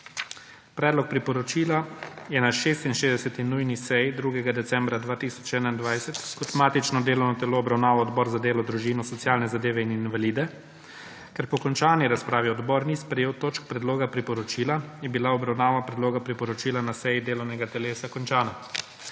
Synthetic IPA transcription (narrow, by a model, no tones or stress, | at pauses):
pɾɛːd̪lɔk̚pɾipɔɾɔt͡ʃiːlajɛnaʃeːst̪inʃeːzd̪ɛsɛt̪inujnisɛjd̪ɾuɡɛɡad̪ɛt̪sɛmbɾad̪ʋaːt̪iːsɔ̥t͡ʃɛːnaind̪ʋajsɛt̪kɔt̪maːt̪it͡ʃnɔd̪eːlɔwnɔt̪ɛloːbɾawnaːʋɔɔd̪bɔːɾzad̪eːlɔd̪ɾuʒiːnɔsɔt̪sjaːlnɛzad̪eːʋɛininʋaliːd̪ɛ | kɛɾpɔkɔnt͡ʃaːniɾaspɾaːʋiɔd̪bɔɾnispɾɛjeːwt̪oːt͡ʃk̚pɾɛd̪loːɡapɾipɔɾɔt͡ʃiːlajɛbilaɔbɾawnaːʋapɾɛd̪loːɡapɾipɔɾɔt͡ʃiːlanasɛjid̪eːlɔwnɛɡat̪ɛleːsakɔnt͡ʃaːna